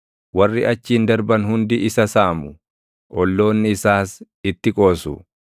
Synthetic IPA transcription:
wɐrːɪɐt͡ʃːiːnd̪ɐɾbɐnhʊnd̪ɪʔɪsɐsaːmʊ | ʔɔlːo̞ːnːɪɪsaːs | ɪt̪ːɪkʼo̞ːsʊ̰

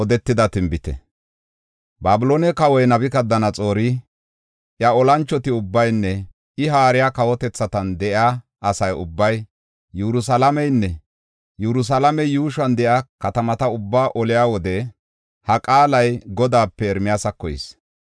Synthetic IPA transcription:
ɔd̪ɛt̪ːɪd̪ɐt̪ɪmbɪt̪ɛ̰ | baːbɪloːnɛkɐwɔjnɐbɪkɐd̪ːɐnɐt͡sʼo̞ːɾɪ | ʔjɐɔlɐnt͡ʃːɔt̪ɪʊbːɐjnːɛ | ʔɪɦaːɾɪjakɐwɔt̪ɛt͡sːɐt̪ɐnd̪ɛʔaː | ɐsɐjʊbːɐj | jɛɾʊs̬ɐlɐmɛjnːɛ | jɛɾʊs̬ɐlɐmɛjuːʃɐnd̪ɛʔjakɐt̪ɐmɐt̪ɐʊbːaːʔɔlɪjaːwɔd̪ɛ | hɐkʼaːlɐjɡɔd̪aːpːɛːɾmɪjaːsɐkːɔjɪ̰s

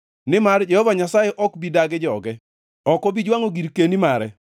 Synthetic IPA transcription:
nɪmard͡ʒɛhɔvaɲasajɛʔɔkbidaɡɪd͡ʒɔɡɛ | ɔkɔbid͡ʒwaŋoɡiɾkenimaɾɛ

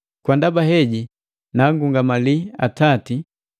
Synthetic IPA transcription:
kwandabaɦɛɟi | naŋɡuŋɡamalia̰tati

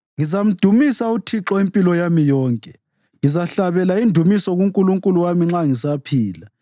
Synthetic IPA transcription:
ŋizam̩d̥ʱumisautʰiǁɔimpʼilɔjamijɔːŋkʼɛ | ŋizaɬaβɛlaindʱumisɔɣuŋkʼuluŋkʼuluwamiŋ͡ǁaŋisapʰiːla

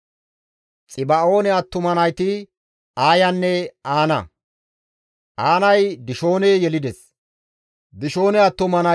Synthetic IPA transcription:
t͡sʼɪbɐo̞ːnɛɐt̪ːʊmɐnɐjt̪ɪ | aːjɐnːɛaːnɐ̰ | ʔaːnɐjd̪ɪʃo̞ːnɛjɛlɪd̪ɛs | d̪ɪʃo̞ːnɛɐt̪ːʊmɐnɐ

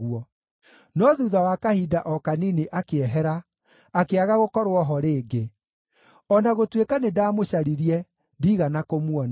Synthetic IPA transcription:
uɔ | nɔðuːðawakahiːdaʔɔkanineʔakeɛɦɛɾaː | keaɣaɣokɔɾoɔɦɔɾeːɡe | ɔnaɣotwekanedaːmoɕaɾiɾiɛ | ndiːɣanakomwɔn

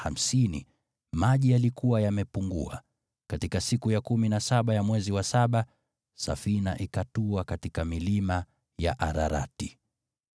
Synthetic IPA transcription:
ha̰m̩sinḭ | maʄijalikuwajamɛpuŋɡṵa̰ | katikasikujakuminasaɓajamwɛziwasaɓa | sa̰fina̰ʔikatuakatikamilima | ja̰ʔaɾaɾa̰ti

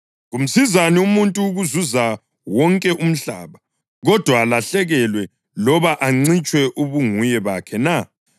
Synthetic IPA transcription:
ɣum̩sizaniumuntʼuːɣuzuza | wɔŋkʼɛʔum̩ɬa̰ːβa | ɣɔd̥ʱwaːlaɬɛɣɛlwɛ | lɔβaʔaŋ͡ǀit͡ʃʼwɛʔuβuŋujɛβakʰɛna

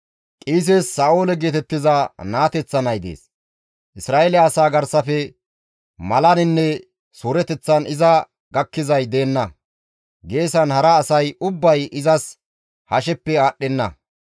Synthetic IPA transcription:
kʼiːs̬esːaːʔoːlɛɡe̞ːt̪ɛt̪ːɪzɐnaːt̪ɛt͡sːɐnɐjd̪ḛːs | ʔɪsɾaːʔelɪɐsaːɡɐɾsɐfɛ | mɐlɐnɪnːɛ | suːɾɛt̪ɛt͡sːɐnɪzɐ | ɡɐkːɪzɐjd̪e̞ːnːɐ | ɡe̞ːsɐnhɐɾɐːsɐjʊbːɐjʔɪzɐs | hɐʃɛpːɛaːɗːɛnːɐ̰

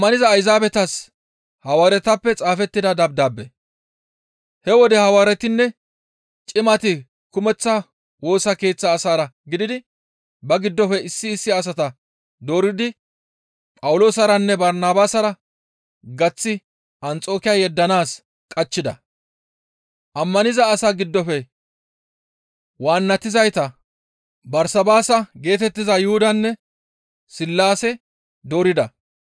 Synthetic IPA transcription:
mːɐnɪzɐːjzaːbɛt̪ɐs | hɐwaːɾɛt̪ɐpːɛt͡sʼaːfɛt̪ːɪd̪ɐd̪ɐbd̪aːbːɛ | hɛwɔd̪ɛhɐwaːɾɛt̪ɪnːɛ | t͡ʃʼɪmɐt̪ɪ | kʊmɛt͡sːɐ | wo̞ːsɐke̞ːt͡sːɐːsaːɾɐɡɪd̪ɪd̪ɪ | bɐɡɪd̪ːɔfɛɪsːɪːsːɪɐs̬ɐt̪ɐ | d̪o̞ːɾɪd̪ɪ | pʼɐwʊlo̞ːsɐɾɐnːɛbɐɾnaːbaːsɐɾɐ | ɡɐt͡sːɪ | ʔɐnt͡sʼo̞ːkɪjɐjɛd̪ːɐnaːs | kʼɐt͡ʃːɪd̪ɐ̰ | ʔɐmːɐnɪzɐːsaɡɪd̪ːɔfɛ | waːnːɐt̪ːɪzɐjt̪ɐ | bɐɾsɐbaːsɐɡe̞ːt̪ɛt̪ːɪzɐjʊhʊd̪ɐnːɛ | sɪlːaːsɛ | d̪o̞ːɾɪd̪ɐ

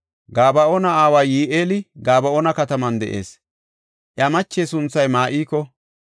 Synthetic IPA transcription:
ɡaːbɐʔoːnɐaːwaːjiːʔeːlɪɡaːbɐʔoːnɐkɐt̪ɐmɐnd̪ɛ̰ʔe̞̰ːs | ʔjɐmɐt͡ʃːeːsʊnt͡sːɐjmaːʔiːkːɔ

